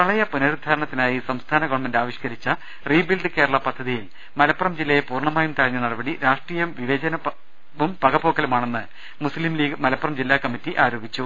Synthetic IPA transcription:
kɐɭɐjɐpunɐɾud̪ʱaːɾɐɳɐt̪ːinaːjisɐmst̪ʰaːnɐɡoːʋɐmendaːʋiɕkɐɾit͡ɕːɐ | riːbilɖɨke̞ːɾɐɭɐpɐd̪ʱːɐðijil | mɐlɐpːɐrɐmd͡ʑilːɐjepuːrɳɐmaːjumt̪ɐɻɐɲːɐnɐɽɐbɐɽiɾaːʂʈriːjɐmʋiʋɐd͡ʑɐnɐ | ʋumpɐɡɐbo̞ːkːɐlumaːɳe̞nːɨ | muslimliːɡɐmɐlɐpːɐrɐmd͡ʑilːaːkɐmitːiʔaːɾoːbʱit͡ɕːu

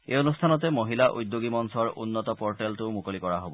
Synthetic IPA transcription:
ejonustʰanɔtɛmoɦilaʔujd̪ːoɡimɔnsɔɹunːɔtɔpɔɹʈɛltumukolikɔɹaɦobɔ

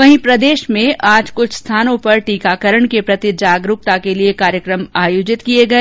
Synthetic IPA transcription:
ʋɐɦĩpɾɐd̪eːʃmẽʔaːd͡ʒkʊt͡ʃʰst̪ʰaːnõpɐɾʈiːkaːkɐɾəɳkepɾɐt̪ɪd͡ʒaːɡɾʊk̚t̪akeliekaːɾjəkɾəmaːjoːd͡ʒɪt̪kieɡɐeː

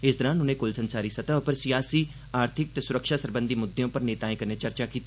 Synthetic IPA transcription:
ɪsd̪əɾãːnʊnẽːkʊlsənsaːɾiːsət̪aːʊpəɾsijaːsiː | aːɾt̪ʰɪk̚t̪eːsʊɾəkʃaːsəɾbə̃nd̪iːmʊd̪ːejõːpəɾneːt̪aːẽːkəɾnẽt͡ʃəɾt͡ʃaːkiːt̪i

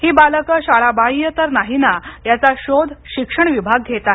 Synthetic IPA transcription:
hiːbaləkəɕaɭabaijət̪əɾnaɦinajat͡saɕod̪ʱɕikʂəɳʋibʱaɡ̚ɡʱet̪a

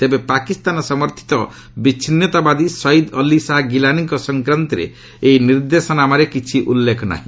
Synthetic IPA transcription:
t̪ebepakist̪anɔsɔmɔɾt̪ʰi̥t̪ɔ | bit͡ʃʰinjɔt̪abad̪isɔid̪ɔlisaɦɡilaniŋkɔsɔŋkɾant̪iɾḛ | einiɾd̪esɔnamaɾekit͡ʃʰiʔulːekɔna̰ɦĩ

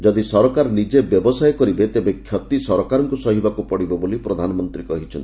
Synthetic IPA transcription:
d͡ʒɔd̪isɔɾɔkaɾnid͡ʒebjɔbɔsajkɔɾibet̪ebekʰjɔt̪isɔɾɔkaɾɔŋkusɔɦibakupɔɽibɔbolipɾɔd̪ʱanɔmɔnt̪ɾikɔɦit͡ʃʰɔnt̪

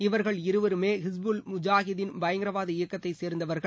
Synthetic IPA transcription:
ɪʋɐɾɣɐɭɪɾɯʋɐɾɯmeːɦɪsbulmʊd͡ʒaːɣɪðɪnbɐjɐŋɡɪɾɐʋaːðɐɪjɐkːɐt̪ːɐɪseːɾnd̪ɐʋɐɾɣɐɭ

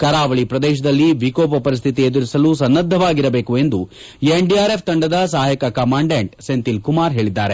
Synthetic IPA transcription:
kɐɾaːʋɐɭipɾɐd̪ɛːʃ̬ɐd̪ɐlːiʋikoːpɐpɐɾis̬t̪ʰit̪̬ied̪uɾisɐlusɐnːɐd̪ʱːɐʋaːɡiɾɐbe̞ːkue̞nd̪u | eɳɖiaːɾe̞pʰt̪ɐɳɖɐd̪ɐs̬aːɦjɐkɐkɐmaːɳɖeɳʈsent̪ilkumaːɾɦe̞ːɭid̪ːaːɾe̞

